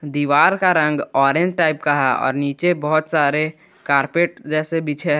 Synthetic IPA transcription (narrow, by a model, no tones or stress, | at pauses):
d̪iːʋaːɾkaɾə̃ŋɡɔːɾẽnd͡ʒʈaːɪpkaɦaɔ̰ːɾniːt͡ʃebɔɦʊt̪saːɾe | kaːɾpeːʈ̚d͡ʒɛːsebit͡ʃʰeɦ